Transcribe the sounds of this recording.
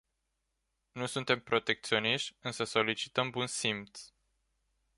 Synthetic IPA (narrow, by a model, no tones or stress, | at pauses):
nusunt̪e̞mpɾo̞t̪e̞k̚t̪sio̞niʃt̪ʲɨnsəso̞lit͡ʃi̥t̪əmbunsimpt̪s